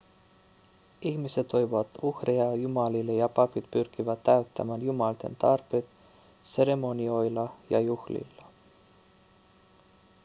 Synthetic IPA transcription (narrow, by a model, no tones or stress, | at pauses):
ihmise̞t̪ːo̞jvoʋɑt̪uhreɑjumɑlilːejɑpɑpit̪pyrkivæt̪ːæɥt̪ːæ̰mænjumɑlt̪e̞̰nt̪ɑrpet̪ | se̞ɾe̞mo̞nʲio̞jlɑjɑ̰juhlḭlːɑ